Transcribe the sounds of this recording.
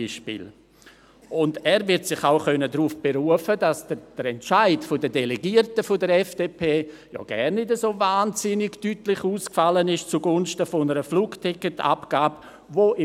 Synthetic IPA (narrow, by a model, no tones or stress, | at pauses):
iʃpḭl | ʊndɛːɾvɪɾtsɪχaʊχœnədɾufb̥eɾuəfədasd̥əd̥əɾɛntt͡ʃaɪtfʊdədeleɡiəɾtəfʊdəɾɛfd̥eːpʰeː | jɔ̰ɡ̥ɛ̰rnːɪdəsoːvaːnz̥ɪnɪɡtytlɪχuːskfalənɪʃt͡suɡʊnʃtəfʊnəɾəfluːɡtʰɪkːətʰa̰pɡ̥aːb | voʔɪ